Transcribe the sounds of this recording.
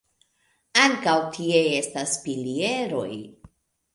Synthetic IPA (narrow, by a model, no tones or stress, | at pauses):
aŋkawtʰieestasfilie̞ɾo̞̰j